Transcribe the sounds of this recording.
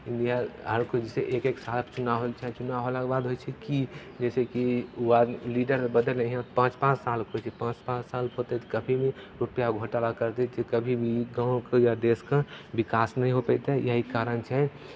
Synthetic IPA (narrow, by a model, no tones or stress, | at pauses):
ɪ̃nɖijaɦəɾkod͡ʒiseʔeːkeksaːlt͡ʃʊnaɦot͡ʃʰɛt͡ʃʊnaɦolakbad̪ɦojt͡ʃʰɛki | d͡ʒɛːsekiad̪liɖəɾbəd̪əlẽɦiɦãpãːt͡ʃpãːt͡ʃsaːlkʰot͡ʃʰɛpãːt͡ʃpãːt͡ʃsaːlpʰot̪et̪kəbʱimẽɾupjaɡʱoʈalakəɾt̪et͡ʃ̪ekəbʱibʱiɡãːkejad̪eskabikaːsnəɦĩɦopəɪt̪ejəɦikaːɾənt͡ʃʰɛ